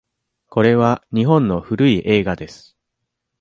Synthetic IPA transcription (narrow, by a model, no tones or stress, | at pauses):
ko̞ɾe̞β̞aɲ̟iɦõ̞nːo̞ɸɯ̟ɾɯ̟iʔe̞ːɡad̪e̞sɨ̥